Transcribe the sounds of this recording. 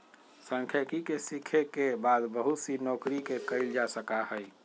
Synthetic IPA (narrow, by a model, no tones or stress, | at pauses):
sə̃ŋkʰəkikesikʰekebad̪bəɦusinɔkɾikekəɪld͡ʒasəkahəj